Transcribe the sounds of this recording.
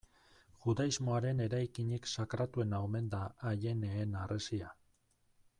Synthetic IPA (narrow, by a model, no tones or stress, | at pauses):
ʝuðaizmo̞aɾe̞ne̞ɾajkiɲiksakɾat̪ue̞naome̞nd̪aːʎe̞neːnarʔesia